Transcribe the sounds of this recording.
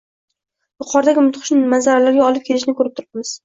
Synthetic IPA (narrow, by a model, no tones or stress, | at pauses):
jʊqʰɒɾd̪aɡʲɪmʊt̪qʰʊʃnɪmazaɾalaɾɡʲaɒlˠɪp̚kʰʲelɪʃnɪkʰɵɾɪp̚t̪ʰʊɾɪpmɪz̥